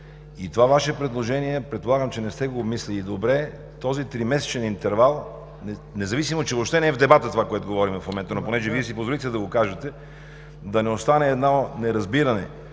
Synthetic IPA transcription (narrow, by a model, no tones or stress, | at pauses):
it̪ovavaʃɛpɾɛd̪lˠoʒɛniɛpɾɛt̪̚polˠaɡəmt͡ʃɛnɛst̪ɛɡoːbmislilid̪obɾɛ | t̪ɔzit̪ɾimɛsɛ̥t͡ʃɛnint̪ɛɾvalˠ | ɛnɛzɐvisimot͡ʃɛvopʃt̪ɛnɛɛvd̪ɛbat̪ət̪ovakoɛt̪oɡovɔɾimɛfmomɛnt̪ənoponɛʒɛviɛsipozvolit̪ɛlʲid̪ɐɡokaʒɐt̪ɛ | d̪ɐnɛost̪anɛːd̪nonɛɾɐzbiɾɐnɛ̰